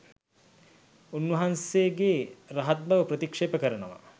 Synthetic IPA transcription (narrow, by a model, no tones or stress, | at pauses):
unʋɐɦanseɡeɾaɦɐt̪̚bɐʋəpɾət̪ikʂeːpəkəɾɐnɐʋɐ̰